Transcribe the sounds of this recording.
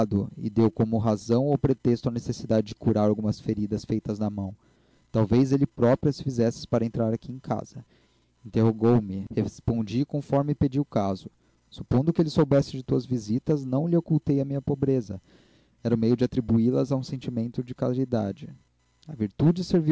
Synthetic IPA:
d̪ʊɪ̰d̪ewkõmʊɦazɐ̃w̃owpɾet̪est̪ʊɐnesesid̪ad͡ʒɪd͡ʒɪkuɾaɾawɡũmɐsfeɾid̪ɐsfejt̪ɐznɐmɐ̃w̃ | t̪awvezelɪpɾɔpɾiɐsɪfizɛsɪ̥spaɾɐẽnt̪ɾaɾakiẽkʰa̰z̥ɐ | ẽnt̪eɦoɡowmɪhespõd͡ʒikõfɔɾmɪped͡ʒiʊkazʊ | su̥põnd̪ʊkɪelɪsowbɛsɪd͡ʒɪt̪uɐzvizit̪ɐznɐ̃w̃lɪokuwt̪ejɐmĩɲɐpobɾezɐ̰ | ɛɾɐʊmejʊd͡ʒɪat̪ɾibuilɐzaũsẽnt͡ʃimẽnt̪ʊd͡ʒɪkalid̪ad͡ʒɪ | ɐviɾt̪ud͡ʒɪseɾvi

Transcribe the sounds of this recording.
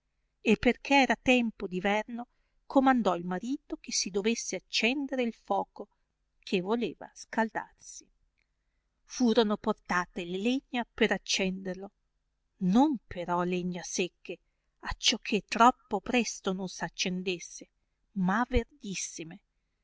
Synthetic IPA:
epːerk̟ʰeɛːɾat̪ɛmpod̪ivɛrno | kʰomand̪ɔilmaɾiːt̪okesid̪ovesːeat͡ʃːɛnd̪eɾeilfɔːko | kʰevoleːva̰skald̪a̰rsi | fuːɾonoport̪aːt̪eleleɲːapeɾat͡ʃːɛnd̪erlo | nompʰeɾɔleɲːasekʰːe | at͡ʃːɔkʰːet̪ːɾɔpːopɾɛst̪ononsat͡ʃːend̪esːe | maverd̪isːime

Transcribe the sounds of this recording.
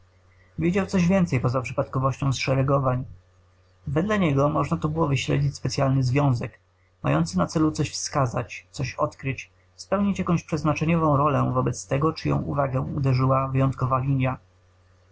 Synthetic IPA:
vʲjed͡ʑawt̪sɔʑvʲjɛnt̪sɛjpɔzapʂɘ̥pat̪kɔvɔɕt͡ɕɔ̃w̃sʂɛɾɛɡɔvaɲ | vɛd̪laɲɛɡɔmɔʐnat̪ubɘwɔvɘɕlɛ̰d͡ʑit͡ɕʲspɛt̪sjalnɘzvʲjɔ̃w̃zɛk | ma̰jɔ̰nt̪sɘnat̪sɛlut̪sɔɕfskazat͡ɕt̪sɔɕɔ̰t̪kɾɘt͡ɕ | spɛwɲit͡ɕjakɔ̃w̃ɕpʂɛznat͡ʂɛɲɔvɔ̃w̃ɾɔlɛvɔbɛt̪st̪ɛɡɔt͡ʂɘjɔ̰̃w̃ṵvaɡɛ̃ud̪ɛʐɘwavɘjɔnt̪kɔvalʲiɲja

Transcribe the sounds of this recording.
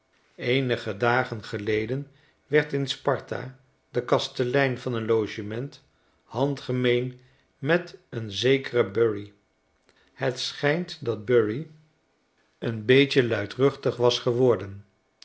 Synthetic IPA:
ejnəχədaːχənχəlejdən | ʋɛɹtɪnspɑɹta̰ | dəkɑstəlɛjnvɑnənlowʒəmɛnt | hɑntχəmejn | mɛtənzejkərəbœɹi | hətsχɛjntdɑd̚bøɹi | ənbejt͡ʃəlœɥtrɵχtəχʋɑsχəʋɔɹdən

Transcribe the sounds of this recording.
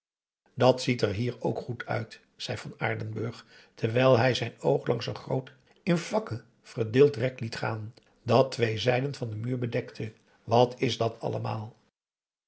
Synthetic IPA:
dɑtsitɛɹɦiːɹo̰wkχutʰœ̰ɥt | z̥ɛjvɑna̰ːɹdənbøɹχ | tʰəɹʋɛjlˠɦɛjzɛjnowχlʔɑŋsənχrowt | ɪnvɑkə | v̥əɹdɪːlˠtrɛklitχaːn | dɑtʋejzɛjdənvɑndəmyːɹbədɛktʰə | ʋɑtʰɪzdɑtʰɑ̰ləmaːlˠ

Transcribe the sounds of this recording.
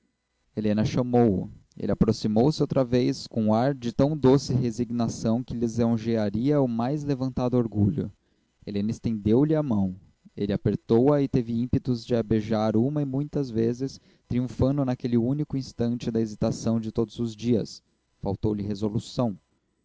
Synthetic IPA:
elẽnɐʃɐmowʊ̰ḛlɪapɾosimowsɪowt̪ɾɐvejskõaɾd͡ʒɪt̪ɐ̃w̃d̪osɪɦeziɡnasɐ̃w̃kɪlɪzõʒeaɾiɐʊmajzlevɐ̃nt̪ad̪ʊoɾɡuʎʊ̰ | elẽnɐest̪ẽnd̪ewlɪamɐ̃w̃ | elɪapeɾt̪owɐɪt̪evɪĩpet̪ʊzd͡ʒɪabeʒaɾũmɐɪmũj̃t̪ɐzvezɪs | t̪ɾiũfɐ̃nd̪ʊnakelɪunikʊĩst̪ɐ̃nt͡ʃɪd̪ɐezit̪asɐ̃w̃d͡ʒɪt̪od̪ʊzʊzd͡ʒiɐ̰s | fa̰wt̪owlɪɦezolusɐ̃w̃

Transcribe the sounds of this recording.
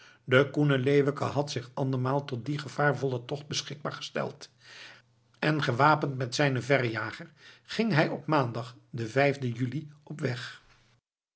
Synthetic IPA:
dəkunəlejʋəkəɦɑtsɪχɑndəɹmaːlˠtɔt̚diχəv̥aːɹvɔlˠətɔχd̚bəsχɪɡ̚ba̰ːɹχə̥stɛ̰lˠt | ɛnχəʋaːpəntmɛtsɛjnəvɛrjaːχərχɪŋɦɛjɔpmaːndɑχdəvɛjvdəjyliɔpʋɛχ

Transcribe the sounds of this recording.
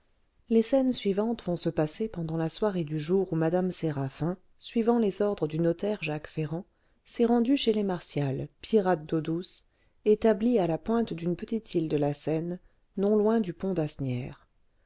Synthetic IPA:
lesɛnsɥivɑ̃t̪vɔ̃səpasepɑ̃d̪ɑ̃laswaʁed̪yʒuʁumad̪amseʁafɛ̃ | sɥivɑ̃lezɔʁd̪ʁəd̪ynɔt̪ɛʁʒakfeʁɑ̃ | sɛʁɑ̃d̪yʃelemaʁsjalpʰiʁat̪̚d̪od̪us | et̪ablialapwɛ̃t̪d̪ynpət̪it̪ʰild̪əlasɛnː | ɔ̃lwɛ̃d̪ypɔ̃d̪asnjɛ̰ːʁ

